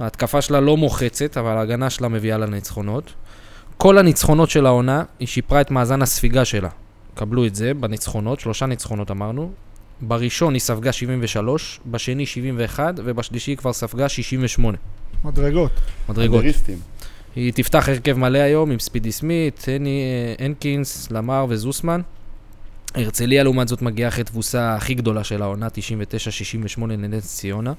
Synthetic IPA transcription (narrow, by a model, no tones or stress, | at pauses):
aːt̪kafaʃelalo̞mo̞χe̞t͡se̞t̪avalaːɡanaʃelame̞vialanit͡sχo̞no̞t̪ | ko̞lhanit͡sχo̞no̞tʃe̞lao̞naiʃipʁaet̪maːzanhasfiɡaʃe̞la̰ | kabluetze̞banit͡sχo̞no̞t̪ʃlo̞ʃanit͡sχo̞no̞t̪amaʁnu | baʁiʃo̞nisafɡaʃivimve̞ʃalo̞ʃbaʃe̞niʃivimve̞ːχad̪ve̞baʃliʃikvaʁsafɡaʃiʃimve̞ʃmo̞ne̞mad̪ʁeɡotmad̪ʁeɡotst̪im | hit̪ift̪aχe̞ʁke̞vmaleajo̞mimspid̪ismit̪enienkinslamaʁvezusman | e̞ʁt͡se̞lialeumatzo̞t̪maɡiaeχet̪vusaːχiɡd̪o̞laʃe̞lao̞nat̪iʃimve̞t̪e̞ʃaʃiʃimve̞ʃmo̞ne̞ned̪enst͡sio̞na